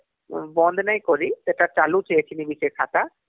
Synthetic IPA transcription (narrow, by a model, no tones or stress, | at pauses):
bɔnd̪ʱnaj̃kɔɾit̪eʈat͡ʃalut͡ʃʰeet͡ʃʰinibisekʰat̪a